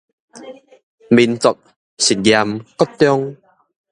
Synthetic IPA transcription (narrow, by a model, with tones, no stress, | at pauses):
mi˧˩nt͡sɔ˨k̚ | ɕi˨˩t̚ja˧mkɔ˦˥t̪ːjɔ˦˧ŋ